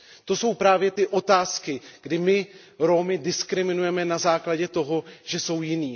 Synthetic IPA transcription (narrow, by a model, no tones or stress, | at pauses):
t̪o̞so̞wpɾaːvjɛt̪ɪʔo̞t̪aːskɪɡ̥dɪmɪ | ɾo̞mɪdɪskɾɪmɪnujɛmɛnazaːklaɟɛt̪o̞ɦo̞ʒ̥ɛso̞wjɪniː